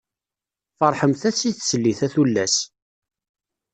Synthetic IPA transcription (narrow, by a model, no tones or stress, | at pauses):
fəɾˤħəmθæsiθsəlːiθæθulːæs